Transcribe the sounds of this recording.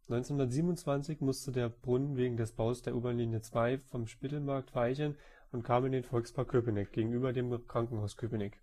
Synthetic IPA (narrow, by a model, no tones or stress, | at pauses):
nɔʏnt͡senhʊndɐtziːbmnʊnt͡sv̥ant͡sɪçmʊstədeːɐb̥ʁʊnənveːɡŋ̩dɛsb̥aʊsd̥eːɐʔuːbɐliːnjət͡sv̥aɪfɔmʃpɪtl̩maɐk̚tv̥aɪçən | ʊntkʰaːmɪndeːnfɔlkspʰaɐkʰøpənɛk̚ɡ̥eːɡŋ̩ʔyːbɐdeːmkʁ̥aŋkŋ̩haʊskʰøpənɛk